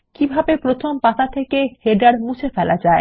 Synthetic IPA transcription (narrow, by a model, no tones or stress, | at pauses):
kibʱabepɾot̪ʰompat̪at̪ʰekeheɖaɽmut͡ɕʰefɛlʔad͡ʑae